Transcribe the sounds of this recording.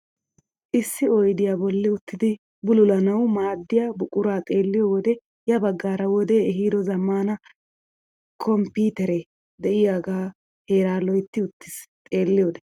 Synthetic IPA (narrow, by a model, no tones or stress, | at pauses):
ʔɪsːɪɔjd̪ɪjaːbɔlːɪʊt̪ːɪd̪ɪ | bʊlʊlɐnɐwmaːd̪ːɪjabʊkʼʊɾaːt̪ʼe̞ːlːɪjoːwɔd̪ɛ | jɐbɐɡːaːɾɐwɔd̪eɛɦiːd̪ɔzɐmːaːnɐ | kʰɔmpiːt̪ɛɾɛ | d̪ɛʔɪjaːɡaː | he̞ːɾaːlɔjt̪ːɪʊt̪ːɪ̥st̪ʼe̞ːlːɪjɔːd̪ɛ